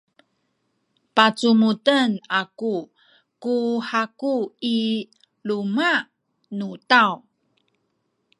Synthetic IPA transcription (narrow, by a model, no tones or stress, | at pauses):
pat͡sumutənaku | kuħakui | luma | nutaw